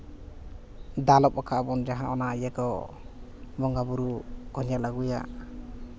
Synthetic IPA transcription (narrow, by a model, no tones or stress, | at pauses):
d̪alɔp̚ɔkʰabɔnd͡ʒaɦãʔɔnaajakɔ | bɔŋɡabuɾuɡ̥ɔɲalaɡuja̰